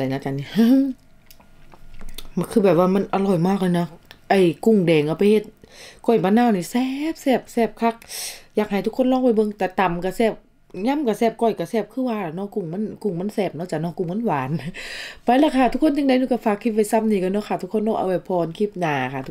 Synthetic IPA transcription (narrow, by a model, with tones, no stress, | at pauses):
da˨˩jnaː˧˨ka˧˨ni˧˨hɯ˧ | kʰɯː˧˩bɛː˨˩p̚waː˧ma˧˥˨nʔa˧lɔː˧˩jmaː˧˩k̚lɔ˧˨nɔ˧ʔa˧˩jku˧˩ŋdɛː˨˩ŋʔa˧˩pa˨jhe˧˦t̪̚kɔ˧˩jmaː˧˨naː˧˨niː˧˨sɛː˧p̚sɛː˧˩p̚sɛː˧˩p̚kʰa˧˩k̚jaː˨˩k̚ha˨˩jt̪ʰu˧kʰo˧˥˨nlɔː˧˥˨wa˧˩jbɤ˧˦ŋt̪ɛː˧˩t̪a˨mka˧˩sɛː˧˩p̚ | ɲa˧˥˨mka˧˩sɛː˧˩p̚kɔ˧˩jka˧˩sɛː˧˩p̚kʰɯː˧˥˨waː˧nɔː˧˥˨ku˧˩ŋma˧˥˨nku˧˩ŋma˧˥˨nsɛː˧˩p̚nɔ˧˥˨t͡ɕa˧˩nɔ˧˨ŋku˧˩ŋma˧˥˨nwaː˨˦npa˧jla˧˨kʰaː˧˩t̪ʰu˧kʰo˧˥˨nt͡ɕa˧ŋda˧˨jnɔː˧˩ka˧˩faː˧˩kʰːi˧t̪̚a˧˩jsa˧˨m̚niː˧ka˧˩nɔ˧˥˨kʰa˧˩t̪ʰu˧kʰːo˧˥˨nɔː˧ʔa̰˧wba˧˩pʰɔː˧nkʰi˧˥p̚naː˨˩kʰa˧˩t̪ʰu˧